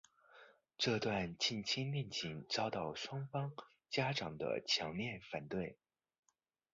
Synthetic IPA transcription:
ʈ͡ʂɤ˥˧t̪wa˥˧nt͡ɕi˥˩nt͡ɕʰi˥nmɛ˥˩nt͡ɕi˨˩ŋt͡sɑ˥ʊt̪ɑ˥˩ʊʂwɑ˥ŋfɑ˥ŋ | t͡ɕja˥ʈ͡ʂɑ˨˩ŋd̪ə̰˦t͡ɕʰjɑ˧˥ŋljɛ˥˩nfa˨˩nt̪we˥˩ɪ

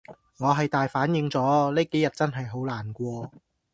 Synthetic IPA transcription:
ŋɔː˨˧ɦɐ˨jt̪aː˨jfaː˨˥njɪ˨˥ŋt͡sɔː˨˥leː˥ke˨˥jɐ˨t̚t͡sɐ˥nɦɐ˨jɦo˨˥wlaː˨˩nkʷɔː˧

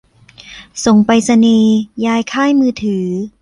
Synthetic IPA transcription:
so˨˩ŋpa˧jsa˧niː˧jaː˧jkʰaː˥˩jmɯː˧t̪ʰɯː˩˦

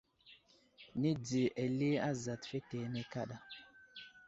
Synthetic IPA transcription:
ni˦d͡zi˨ʔe˨li˦a˦za˨tfe˦te˨˦ne˦ka˦ɗa˦

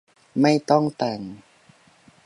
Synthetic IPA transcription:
ma˥˩jt̪ɔ˥˩ŋt̪a˨˩ŋ

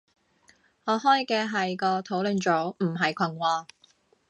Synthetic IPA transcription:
ŋɔː˨˧ɦɔː˥jkɛː˧ɦɐ˨jkɔː˧t̪ʰo˨˥wlɵ˨˧nt͡ʃɔː˨˥m̩˨˩ɦɐ˨jkʷʰɐ˨˩ŋwɔː˧

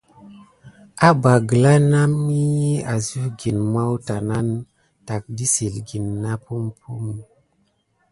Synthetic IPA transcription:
a˦ba˨ɡə˨la˦na˦mːi˦ji˦a˨zu˦ɡi˨nma˦wta˨na˦n | ta˨k̚di˦si˨lɡi˨nːa˦pu˦mpʰu˦m

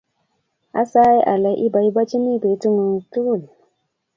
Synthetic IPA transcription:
a̰˦sa˦jʔa̰˨la˨jʔi˦ba˨i˦ba˦t͡ʃi˦mi˦˨be˨˦tu˦ŋu˨ntu˦˨l

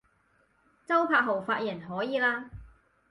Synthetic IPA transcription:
t͡sɐ˥wpʰaː˧k̚ɦo˨˩wfaː˧t̚jɐ˨˩nɦɔː˨˥jiː˨laː˥

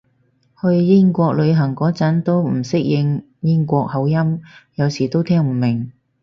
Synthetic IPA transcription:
hɵ˧ɥjɪ˥ŋkʷɔː˧k̚lɵ˨˧ɥɦɐ˨˩ŋkɔː˨˥t͡sɐ˨˥nt̪o˥wm̩˨˩sɪ˥k̚jɪ˧ŋ | jɪ˥ŋkʷɔː˧k̚hɐ˨˧wjɐ˥mjɐ˨˧wsiː˨˩t̪o˥wt̪ʰɛː˥ŋm̩˨˩mɪ˨˩ŋ

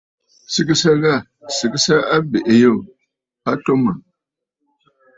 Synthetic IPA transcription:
sɨ˨kɨ˦sa˦ɣa˦˨ | sɨ˨kɨ˦sa˦a˦be˨ʔe˨jo˦˨ | pa˦to˦mə˨

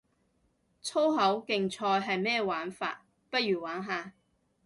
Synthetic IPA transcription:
t͡sʰo˥wɦɐ˨˥wkɪ˨ŋt͡sʰɔː˧jɦɐ˨jmɛː˥˩waː˨˥nfa̰ː˧t̚ | pɐ˥t̚ɥyː˨˩waː˨˥nɦaː˧

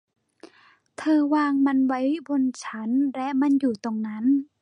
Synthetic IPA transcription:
t̪ʰɤː˧waː˧ŋma˧˨nwa˦˥jbo˧˨nt͡ɕʰa˦˥nlɛ˦˧˥ʔma˧˥˨njuː˨˩t̪o˧ŋna˦˥n

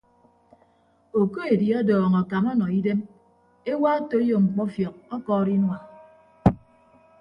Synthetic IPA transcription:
o˨ko˦e˨di˨ɔ˦dɔː˨ŋɔ˨ka˨mɔ˦nɔ˨i˦de˦m | e˦wa˦to˨˦jo˨ŋ͡m̩˨k͡pɔ˦fjɔ˨k̚ɔ˦kɔː˦˨ɾi˦nwa˨

